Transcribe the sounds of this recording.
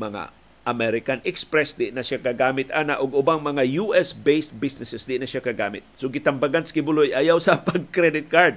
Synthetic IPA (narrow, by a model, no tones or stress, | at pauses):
mɐŋa̰ | ʔɐmɛɾɪkanʔɛkspɾɛsd̪ɪʔnɐʃakaɡaːmɪt̪ʔaːnaʔʊɡʊbaŋmɐŋajuʔɛsbejsbisnɪsɛsd̪ɪʔnɐʃakɐɡaːmɪt̪̚soɡɪt̪ɐmbaɡansḁkɪbʊlojʔajawsɐpɐɡ̚kɾɛd̪ɪt̪̚kaɹd̪̚